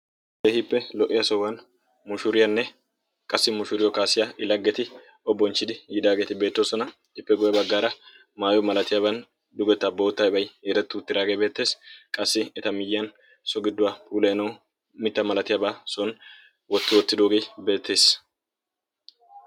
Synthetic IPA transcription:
dehɪpːɛlɔʔːɪjɐsɔwɐn | mʊʃʊɾɪjɐnːɛ | kʼɐsːɪmʊʃʊɾɪjɔkaːsɪjaʔɪlɐɡːɛt̪ɪ | ɔbːɔnt͡ʃːɪd̪ɪjɪd̪aːɡeːt̪ɪbe̞ːt̪ːoːsɔnɐ | ɪpːɛɡɔjɐbɐɡːaːɾɐ | maːjɔmɐlɐt̪ɪjabɐn | d̪ʊɡɔt̪ːɐbɐwʊt̪ːaːjɪbɐjjɛɾɛt̪ːʊʊt̪ːɪɾaːɡeːbe̞ːt̪ːe̞ːskʼɐsːɪɛt̪ɐmɪjːɪɐn | sɔɡɪd̪ːʊwaːpʰuːlɛjɐnɐw | mɪt̪ːɐmɐlɐt̪ɪjɐbaːsɔn | wɔt̪ːɪwɔt̪ːɪd̪o̞ːɡe̞ːbe̞ːt̪ʰːe̞ːs

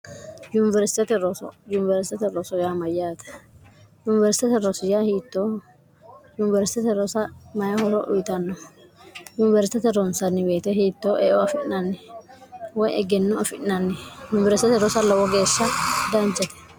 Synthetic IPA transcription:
jʊnɪvɛɾsɪ̥t̪ɛt̪ɛɾɔsɔ̰jʊnɪvɛɾsɪ̥t̪ɛt̪ɛɾɔsɔjamɐjaːt̪ɛ̥ | jʊnɪvɛɾsɪt̪ɛt̪ɛɾɔsɪjahiːt̪ːoː | jʊnɪvɛɾsɪ̥t̪ɛt̪ɛɾɔsɐmɐjɐhɔlɔʔʊ̰jɪt̪ɐnːɔ | jʊnɪvɛɾsɪt̪ɛt̪ɛɾɔnsɐnːɪbeːt̪ɛhiːt̪ːoːʔɛʔɔɐfɪnɐnːɪ | wɔjɛɡɛnːʊɐfɪnɐnːɪjʊnɪvɛɾsɪt̪ɛt̪ɛɾɔsɐlɐwɔɡe̞ːʃːɐd̪ɐnd͡ʒɐt̪ɛ̥

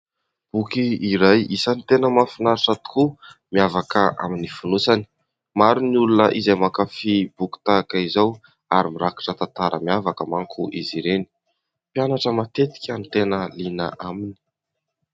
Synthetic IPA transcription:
b̥ukiiɾajisanit̪enəmafinaɾiʈ͡ʂət̪u̥kumiavakəʔa̰minifunusani̥ | maɾunulunəʔizajmakafibuku̥t̪akaizaw | aɾimiɾaki̥ʈ͡ʂət̪ant̪aɾəmiavakəmaŋkʰuʔiziɾeni̥ | pjanaʈ͡ʂəmat̪et̪i̥kʲanit̪enəlinə̰ʔamini̥

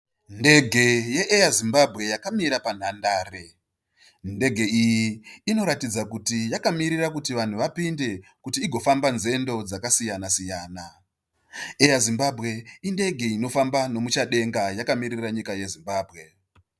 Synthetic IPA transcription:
nde̞ɡʱe̞je̞ʔejazimbabʱɣe̞jakamiɾapan̤andaːre̞ | nde̞ɡʱe̞ijiːno̞ɾatid͡zakutijakamiɾirakutiʋan̤uʋapinde̞kutiːɡʱo̞fambanze̞ndo̞d͡zakasijanasijaːna | ejazimbabʱɣe̞inde̞ɡʱe̞ino̞fambano̞mut͡ʃaɗe̞ŋɡajakamiriraɲikaje̞zimbaːbʱɣe̞

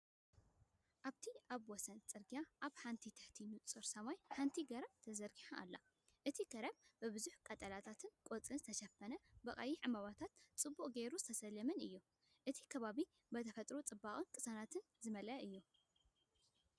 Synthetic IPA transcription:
ʔaβt̪ʰiʔaβwɔsɐnt͡sʼɨɾɡijaʔaβħant̪ʰit̪ʰɐħt̪ʰinut͡sʼɨɾsɐmajħant̪ʰiɡɐɾɐβt̪ʰɐzɐɾɡiħaʔa̰lːa̰ | ʔɨt̪ʰiɡɐɾɐbbɨβɨzuħkʼɐt̪ʼɐlat̪ʰat̪ʰɨnkʼot͡sʼɨnzɨt̪ʰɐʃɐfːɐnɐbɐχʼɐ̰jiʕɨmaβat̪ʰat̪t͡sʼɨbːuχʼɡeɾuzɨ̥t̪ʰɐsɐlːɐmɐnɨ̰jːu | ʔɨt̪ʰi̥kʰɐβaβi | bɐt̪ʰɐfɐt̪ʼɾut͡sʼɨbːaχʼɨnkʼɨsanat̪ʰɨn | zɨmɐlɐʔɨjːu

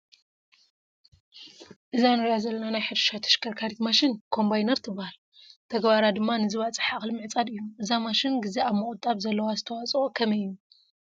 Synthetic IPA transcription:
ʔɨzanɨɾjazɐlːɐnanajħɨd̪ɨ̥ʃat̪ʰɐ̥ʃkʰɐɾkʰaɾit̪maʃɪnkʰo̞mbajnɐɾt̪ʰɨbːahal | t̪ʰɐɡbaɾad̪ɨmːanɨzɨβat͡sʼɨħaχʼlmɨʕɨt͡sʼad̪ɨjːumʔɨzamaʃɪnɡɨzeaβmɨχʼut̪ʼːaβzɐlːɐwazɨt̪ʰɐwat͡sʼokʰɐmɐjːu

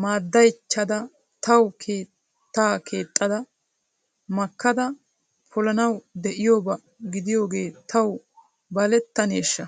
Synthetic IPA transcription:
maːd̪ːɐjt͡ʃːɐd̪ɐ | t̪ɐwkʰeː | t̪ːaːkʰe̞ːt̪ʼːɐd̪ɐ | mɐkːɐd̪ɐ | pʰʊlɐnɐwd̪ɛʔɪjo̞ːbɐ | ɡɪd̪ɪjo̞ːɡe̞ːt̪ɐw | bɐlɛt̪ːɐne̞ːʃːɐ

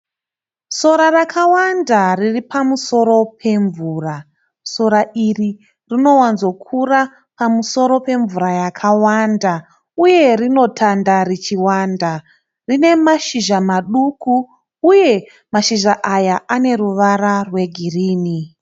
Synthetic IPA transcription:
so̞ɾarakʰawandariripamuso̞ɾo̞pʰe̞ɱvuːra | so̞ɾairi | rino̞wanzokʰura | pamuso̞ɾo̞pe̞ɱvuɾajakʰawanda | uje̞rino̞tʰandarit͡ʃiwaːnda | rine̞maʃiʒamaɗukuː | je̞ | maʃiʒaʔajaane̞ɾuʋaɾarwe̞ɡʱiriːni

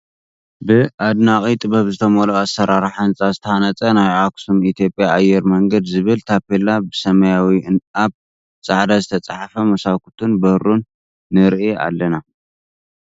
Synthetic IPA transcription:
bɨʔad̪naχʼit̪ʼɨbɐβzɨt̪ʰɐmoloasːɐɾaɾħaɨnt͡sʼazɨt̪ʰɐanɐt͡sʼɐnajʕaksumit̪ʰjo̞pʼjaajɛɾmɐŋɡɐd̪zɨβɨlt̪ʰapʰelabɨsɐmɐjawiʔɨnaβ | t͡sʼaʕd̪azɨt̪ʰɐt͡sʼaħfɐmɐsakut̪ʰunbɐhɾunː | ɨɾʔia̰lːɐna

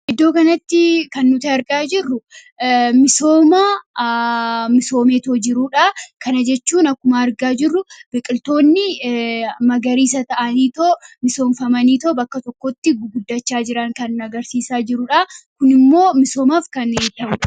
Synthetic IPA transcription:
ʔɪd̪ːo̞ːkɐnɐt̪ːɪkɐnːʊt̪ɐɐɾɡaːd͡ʒɪrːʊ | mɪso̞ːma | mɪso̞ːmeːt̪oːd͡ʒɪɾuᶑaːkɐnɐd͡ʒɛt͡ʃːuːnɐkːʊmaɾɡaːd͡ʒɪrːʊb̥ɛkʼɪlt̪o̞ːnːɪ | mɐɡɐɾiːs̬ɐt̪ɐʔɐniːt̪oːmɪso̞ːnfɐmɐniːt̪oːbɐkːɐt̪ɔkːot̪ːɪɡʊɡʊd̪ːɐt͡ʃːaːd͡ʒɪɾɐŋkɐnːɐɡɐɾsiːsaːd͡ʒɪɾʊᶑakʊnɪmːo̞ːmɪso̞ːmaːfkɐneːt̪ːɐʔʊᶑɐ

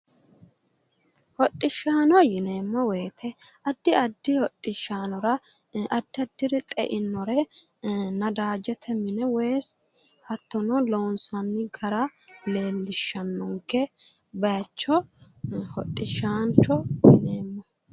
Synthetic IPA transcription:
hɔtʼːɪʃaːnɔjɪne̞ːmːɔweːt̪ʰɛɐd̪ːɪɐd̪ːɪhɔtʼːɪʃːaːnɔɾɐ | ɐd̪ːɪɐd̪ːɪɾɪt̪ʼɛ̰ʔɪnːɔɾɛ | nɐd̪aːd͡ʒɛt̪ʰɛmɪnɛweːs | ɐt̪ːɔnɔloːnsɐnːɪɡɐɾɐle̞ːlːɪʃːɐnːɔŋkːɛ | bɐjɐt͡ʃːɔ | hɔtʼːɪʃaːnt͡ʃɔjɪneːmːɔ

